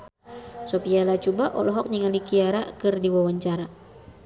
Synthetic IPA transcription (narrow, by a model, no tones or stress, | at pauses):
sopialat͡ʃubaʔɔlɔɦɔk̚ɲiŋalikiaɾakɨrdiwawaɲt͡ʃaɾa